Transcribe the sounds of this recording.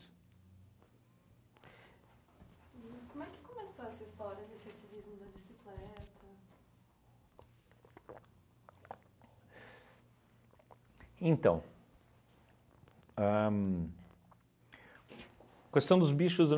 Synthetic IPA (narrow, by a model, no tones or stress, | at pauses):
kõmʊɛkɪ̥komesoɛsɐist̪ɔɾiɐd̪efsat͡ʃivizmʊd̪ɐbisiklɛt̪ɐ | ẽnt̪ɐ̰̃w̃ | a | kest̪ɐ̃w̃d̪ʊzbiʃʊz